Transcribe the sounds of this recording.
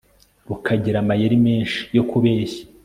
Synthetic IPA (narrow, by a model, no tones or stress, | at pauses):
ɾukʰaɟiɾamajeɾimeːnʃi̥jo̞kuβeːçḁ